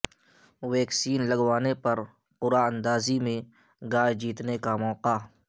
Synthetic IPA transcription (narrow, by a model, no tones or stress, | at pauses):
wɛːksiːnlɐɡwaːnepɐɾ | qʊɾaə̃nd̪aːzimẽ | ɡaːjd͡ʒiːt̪nekamɔːqa